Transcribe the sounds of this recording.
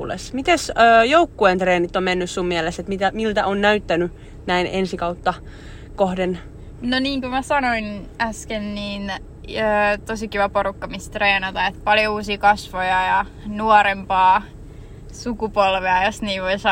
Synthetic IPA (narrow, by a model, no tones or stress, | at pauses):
lḛsmit̪esøːjoukːuent̪reːnit̪ːommenːyssummiæleset̪mit̪æmilt̪æʔonnæyt̪ːæny | næinensikɑut̪ːɑ | kohden | noniːŋkumæsɑnoinæskenniːn | øːt̪osikiʋæporukːɑmist̪reːnɑt̪ɑet̪pɑljouːsiːkɑsʋojɑjɑ | nuɔɾempɑː | sukupolʋeɑjosniːʋʋoisɑ